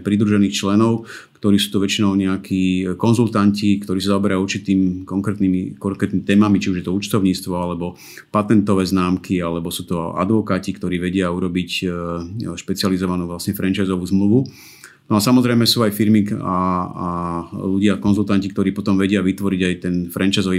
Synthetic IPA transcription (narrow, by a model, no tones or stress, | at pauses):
pɾid̪ɾuʒɛniːxt͡ʃlɛnɔʊkt̪ɔɾiːsuːt̪ɔʋɛt͡ʃinɔʊɲɛakʰikɔnzult̪ancikt̪ɔɾiːs̬azaɔbɛɾauɾt͡ʃit̪iːmikɔŋkɾɛːt̪nimikɔkɾɛt̪nimit̪ɛːmamit͡ʃiuʒjɛt̪ɔuːt͡ʃt̪ɔʊɲiːt͡st̪ʋɔalɛbɔ | pat̪ɛnt̪ɔʋɛːznaːmkʰialɛbɔsuːt̪ɔa̰d̪ʋɔkaːcikt̪ɔɾiːʋɛɟɪauɾɔbic | ʃpɛt͡sializɔʋanuːʋlasɲɛfɾɛnt͡ʃaɪzɔʋuːzmluʋu | nɔasamɔzɾɛjmɛsuːajfiɾmiaaluɟɪakɔnzult̪ancik̚t̪ɔɾiːpɔt̪ɔmʋɛɟɪaʋit̪ʋɔɾiɟajt̪ɛnfɾʔɛnt͡ʃajzɔʋi